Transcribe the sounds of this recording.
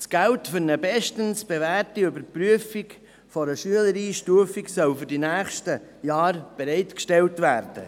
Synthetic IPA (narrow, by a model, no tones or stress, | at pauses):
sɡ̥æltfʏɾnəbɛʃtənsb̥evæːɾtiøbəɾpɾyəfik | fɔɾəʃyələɾiːʃtuəfiksœlfʏɾdinæːχʃtəjɑːɾb̥ɛɾɛɪtkʃtɛltvæːɾd̥ə̰